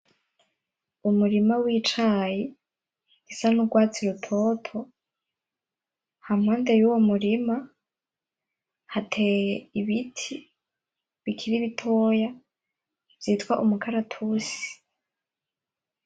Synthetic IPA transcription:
umuɾimawiːt͡ʃaji | ɡisanuɡwaːt͡siɾutʰo̞tʰo̞ | hamŋaːndejuwomuɾima | hatʰejeiβitʰi | βikʰiɾiβitʰoja | v̥jiːtwaʔumukʰaɾatʰusi̥

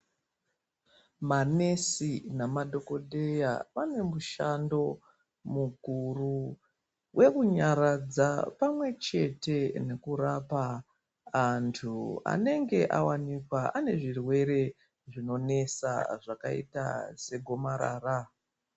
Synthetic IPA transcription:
mane̞sinamaɗʱo̞ko̞ɗe̞ja̰pane̞muʃando̞ | muɡʱuru | we̞kuɲaɾad͡zapamwe̞t͡ʃe̞te̞ne̞kurapaː | ntʰua̰ne̞ŋɡe̞ʔawanikwaane̞ʐirwe̞ɾe̞ | ʐino̞ne̞sa̰ʐakaḭta̰se̞ɡʱo̞maɾa̰ːra

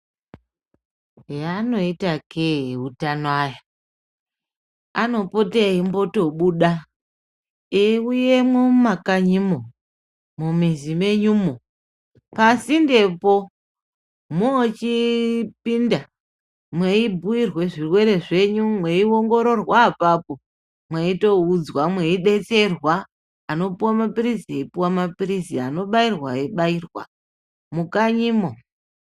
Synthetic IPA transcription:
ɦeano̞itakʰeutanaja | ano̞po̞teimbo̞to̞ɓuɗa | euje̞mwomumakaɲimo | mumizime̞ɲumo | pasinde̞po̞ | mot͡ʃipinda | mwe̞ibʱuirwe̞ʐirwe̞ɾe̞ʐe̞ɲumwe̞io̞ŋɡo̞ɾo̞rwaːpapo̞ | mweito̞ud͡zwamwe̞iɗe̞t͡se̞rwaː | no̞puwamapirizieipuwamapiriziano̞ɓairwa̰eɓairwa̰ | mukaɲimo

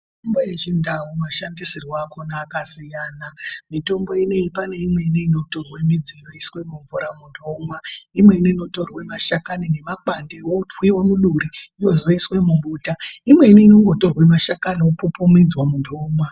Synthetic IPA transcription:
miitombojeʒindawumaʃandisirwakonaːkasijaːnamito̞mbo̞ine̞ipane̞imwe̞ineino̞torwemid͡zijoiswe̞muɱvuɾamundʱoːmwaimwe̞ineino̞to̞rwemaʃakanine̞makandewotwiwamuɗuɾiijozioiswemumbuːtaimwe̞ineino̞ŋɡo̞to̞rwemaʃakaniopupumid͡zwamundʱoːmwa

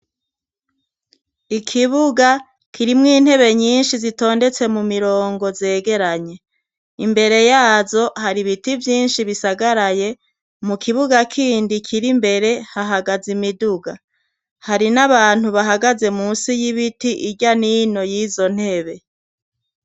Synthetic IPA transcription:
ikʰiβuɡa | kʰiɾimŋiːn̥he̞βe̞ɲiːnʃizito̞ːnde̞t͡se̞mumiɾo̞ːŋɡo̞ze̞ːɡe̞ɾaɲe̞ | imbe̞ɾe̞jaːzo̞haɾiβitivjiːnʃiβisaɡaɾaje̞ | mukʰiβuɡakʰiːndikʰiɾimbe̞ɾe̞haɦaɡazimiduɡa | haɾinaβaːn̥huβaɦaɡaze̞muːsijiβitiʔiɟanino̞jiːzo̞n̥he̞βe̞

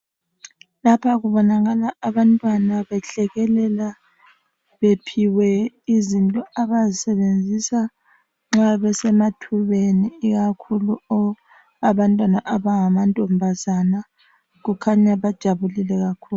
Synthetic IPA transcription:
lapʰaɣuβɔnaɣalaːβantʼwanaβɛɬɛɣɛlɛla | βepʰiwɛ | izintʼɔaβazisɛβend͡zʱisa | ŋ͡ǁaaβɛsɛmatʰuβeniːɣakʰuluɔ | aβantʼwanaʔaβaŋamantʼɔmbʱazana | ɣukʰaɲaβad̥ʒ̥ʱaβulilɛɣakʰuːl

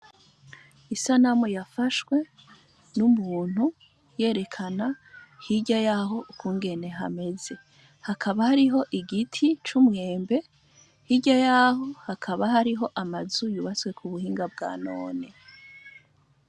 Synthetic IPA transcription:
isanamujafaʃwe̞ | numuːn̥hu | je̞ːɾe̞kʰanahiɟajaɦo̞ʔukʰuːŋɡe̞ne̞ɦa̰me̞ze̞ | hakʰaβahaɾiɦo̞ʔiɡitʰit͡ʃumŋe̞ːmbe̞ | hiɟajaɦo̞hakʰaβaɦaɾiɦo̞ʔamazujuβat͡swe̞kʰuβuhiːŋɡab̚ɡa̰ːno̞ːne̞

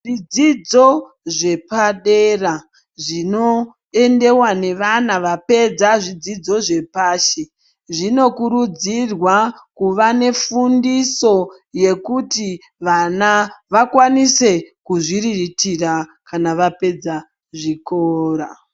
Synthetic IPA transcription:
ʐid͡zid͡zo̞ | ʐe̞paɗera | ʐino̞ | e̞nde̞wane̞ʋanaʋape̞d͡zaʐid͡zid͡zo̞ʐe̞paːʃe | ʐino̞kuɾud͡zirwakuʋane̞fundiso̞ | je̞kuti | ʋanaʋakwanise̞kuʐiriritirakanaʋape̞d͡za | ʐikoːɾa̰

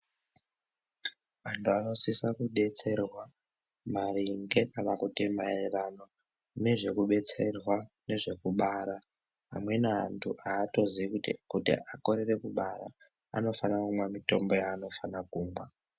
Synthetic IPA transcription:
mantʰuano̞sisakuɗe̞t͡se̞rwa | maɾiŋɡe̞kanakutimaererano̞ | ne̞ʐe̞kuɓe̞t͡se̞rwa | ne̞ʐe̞kuɓaːɾa | a̰mwe̞naantʰuʔaːto̞ziikutḭʔako̞ɾe̞re̞kuɓaɾa̰ː | no̞fanakumwamito̞mbo̞jaːno̞fanakuːmbwa

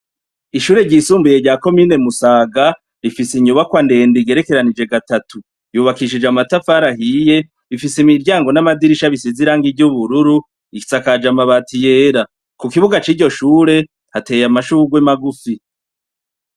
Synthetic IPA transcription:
iʃuːɾe̞ɟiːsuːmbuje̞ɾɟaːko̞miːne̞musaːɡa | ɾifisiɲuβakwande̞ːndiɡe̞ɾe̞ke̞ɾanid͡ʒe̞ɡatatʰu | juːβakiʃ̬id͡ʒamatafaɾahiːje̞ | βifisimiɾɟaːŋɡo̞namadiɾiʃaβisiziɾaːŋɡivɟuβuɾuɾu | ii̥t͡sakad͡ʒamaβatije̞ːɾa | kukiβuɡat͡ʃiːɾɟo̞ʃuːɾe̞ | hate̞ːjamaʃuːɡwemaɡufi

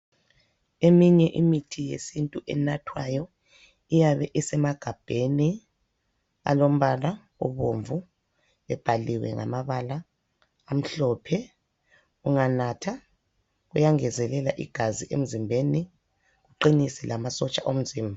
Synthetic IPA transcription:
emiɲɛʔimitʰijḛsintʼuʔɛ̰natʰwajɔ | ijaβɛʔɛsɛmaɡ̥ʱab̥ʱeni | a̰lom̩βala | ṵβoɱvu | βɛb̥ʱaliwɛ̰ŋa̰maβalaː | m̩ɬɔːpʰɛ | uŋanatʰa | ɣujaŋɛzɛlɛlaʔiɡ̥ʱaziʔḛm̩zimbʱeni | ɣuǃinisilamasɔt͡ʃʼaʔom̩ziːmbʱa

